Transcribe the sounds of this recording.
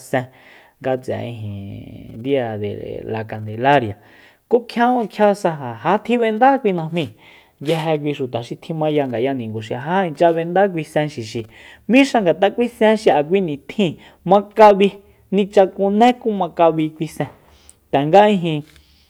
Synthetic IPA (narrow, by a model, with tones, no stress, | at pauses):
sɛ̃˧ | ŋɡa˧t͡sɛ̰˨ḭ̃˧ɦḭ̃˨nd̪i˦a˧˨d̪ḛ˨la˨ka˨nd̪e˨la˦ɾja˨ | ko˦kʰjã˦õ˦˧kʰja˦sa˧ɦa˨ha˨˦t̪ʰĩ˦βe˧nd̪a˦kʷi˧nã˧mĩ˧ | ja˧ɦe˧k̬ʷi˧ʃu˨t̪a˨ʃi˧t̪ʰĩ˧mã˧ja˧ŋɡa˨ja˧nĩ˨ŋɡu˨ʃi˧a˨ɦa˦ĩ˧t͡ʃa˧βe˧nd̪a˦kʷi˧sɛ̃˧ʃi˨ʃi˨ | mĩ˦ʃa˧ŋɡa˨t̪a˦kʷi˦sɛ̃˦ʃi˧˨a˨k̬ʷi˧nĩ˨t̪ʰĩ˦˧ | mã˧ka˧βi˧ | nĩ˧t͡ʃa˧ku˧nẽ˦ku˦mã˧ka˧βi˧kʷi˧sɛ̃˧ | t̪ɛ˨ŋɡa˦ĩ˧ɦĩ˧